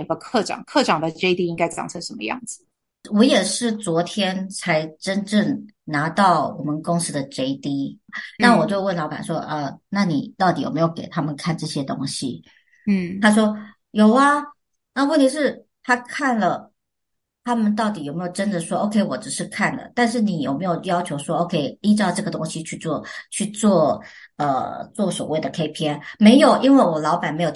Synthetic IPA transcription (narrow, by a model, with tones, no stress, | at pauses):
nfə˧˥kʰɤ˥˩ʈ͡ʂɑ̰˨˩ŋkʰɤ˥˩ʈ͡ʂɑ˨˩ŋd̪ə˩ʈ͡ʂe˥ɪt̪i˥i˥ŋka˥ɪt͡sɑ̰˨˩ŋt͡sʰə˧˦˥ŋʂə˧˦nmə̰˧jɑ̰˥˩ŋd͡zɹ̩˩ | wɔ˧˥jɛ˨˩ʂɻ̩˥˩t͡swɔ˧˥t̪ʰjɛ˥nt͡sʰa˧˥ɪʈ͡ʂə˥nʈ͡ʂə˥˩ŋ | na˧˥t̪ɑ˥˩ʊwɔ̰˨˩mə˨nkʊ˥ŋs̩˥d̪ə˨ʈ͡ʂe˥ɪt̪i˥na˥˩wɔ˨˩t͡ɕjo˥˧ʊwə˥˩nlɑ˧˥ʊka̰˨˩nʂwɔ˥ʔə˧˩na˥˩nḭ˨˩t̪ɑ˥˩ʊt̪i˨˥jo̰˨˩me˧˥jo˨˩ʊke˨˩ɪt̪ʰa˥mə˨nkʰa˥˧nʈ͡ʂɤ˥˩ɕjɛ˥t̪o˥ŋɕi˨˥˩ | t̪ʰa˥ʂ̬wɔ˥ | jo˨˩ʊɐ˧ | na˥˧wt̪i˧˥ʂ̬ɻ̩˥˩ | t̪ʰa˥kʰa˥˩nlə˩ | t̪ʰa˥mə˨nt̪ɑ˥˩ʊt̪i˨˥jo˨˩ʊme˧˥ɪjo˨˩ʊʈ͡ʂə˥nd̪ə˨ʂwɔ˥ʔo˧ʊkʰe˥ɪwɔ̰˨˩ʈ͡ʂɻ̩˨˩ʂɻ̩˥˧kʰa˥˩nd̪ə̰˩t̪a˥˧nʂ̬ɻ̩˥˩ni˨˥jo˨˩me˧˥ɪjo˨˩ʊjɑ˥ʊt͡ɕʰjo˧˥ʊʂwɔ˥o˧˩ʊkʰe˥ɪni˥˩ʈ͡ʂ̩̪˥ɑ˥˧ʈ͡ʂɤ˥˩ɡə˩t̪ʊ˥ŋɕi˧t͡ɕʰy˥˧t͡swɔ˥˧t͡ɕʰy˥˧t͡swɔ˥˩ə̰˧t͡swɔ˥˩swɔ̰˨˩we˥˩ɪd̪ə˩kʰe˥ɪpʰjɛ˥nme˧˥ɪjo˨˩ʊʔi˥nwe˥˩ɪwɔ˨˩lɑ˧˥ʊpa˨˩nme˧˥ɪjo˨˩